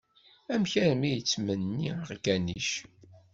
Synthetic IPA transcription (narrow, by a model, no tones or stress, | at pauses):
æmçɾəmijt͡sːmənːiʁɡæniʃ